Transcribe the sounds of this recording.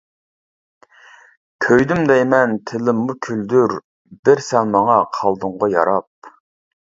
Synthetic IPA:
kʲʰøjd̪ymd̪ɛjmɛnt̪ʰɪlɪmːukʲʰyld̪yɾ | bɪɾsɛnmɑŋɑqʰɑlˠd̪ʊɴʁɑjɑ̰ɾɑp̚

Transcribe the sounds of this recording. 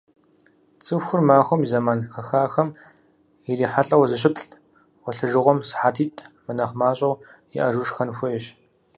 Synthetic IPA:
t͡sʼɨfxʷʊrmaːxʷɔmizɐmaːnxɐxaːxɐm | jɪriːħaɬʼɐwzɨɕ̬ɪpɬ | wʷɔɬɨʒɨʁʷɔmsħaːtʰiːtʼʰmɨnɐχmaːɕʼɐwjɪ̰ʔɐʒuʂxɐnxʷʊjɛɕ

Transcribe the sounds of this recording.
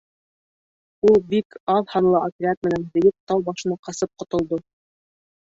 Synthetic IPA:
ulˠbikɑðhɑnlˠɤʔopʲɪɾʲat̪mɘ̆nænb̪ɘ̆jɘp̚t̪ɑwbɑʃɤ̆nɑqɑsɤp̚qŏt̪ŏlˠd̪o

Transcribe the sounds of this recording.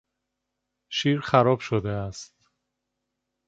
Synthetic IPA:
ʃiːɾxæɾɒːb̥ʃod̪eæst̪

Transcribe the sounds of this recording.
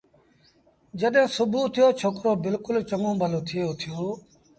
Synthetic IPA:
d͡ʒəɗɦẽːsʊbʱuːt̪ʰɪjoːt͡ʃʰoːkɾoːbɪlkʊlt͡ʃəmõːbʱəloːt̪ʰɪjoːt̪ʰɪjoː

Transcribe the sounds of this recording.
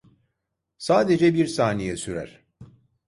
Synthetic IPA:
saːd̪e̞d͡ʒɛbiɾsaːnejɛsyɾæ̰ɾ̥

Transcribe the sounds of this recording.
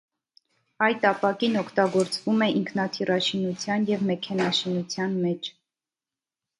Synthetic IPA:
ɑjt̪ɑpɑkinɔkʰt̪ɑɡɔɾt͡svumɛʔiŋkʰnɑt̪ʰirɑʃinut͡sʰjɑnjɛvmɛkʰɛnɑʃinut͡sʰjɑnmɛt͡ʃʰ

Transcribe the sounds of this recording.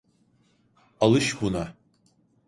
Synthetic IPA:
alɨʃbuna

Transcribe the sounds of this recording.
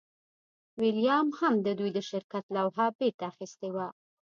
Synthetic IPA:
wɪlijɑmhamd̪əd̪ujd̪əʃɪɾkat̪lawɦabeɾt̪aːxist̪ewa

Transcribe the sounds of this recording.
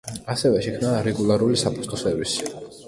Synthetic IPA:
asɛvɛʃɛkʰmnaɾɛɡulˠaɾulisapʰʼut̪sʼt̪ʰʼɔsɛɾvisi̥

